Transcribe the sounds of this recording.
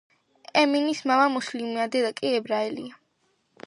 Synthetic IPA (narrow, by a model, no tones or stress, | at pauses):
ɛminismamamuslimiad̪ɛd̪akʼiɛbɾaɛlḭa